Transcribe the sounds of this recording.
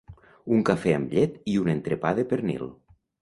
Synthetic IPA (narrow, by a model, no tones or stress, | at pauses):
uŋkafɛəmʎet̪iunent̪ɾepaðepeɾnḭl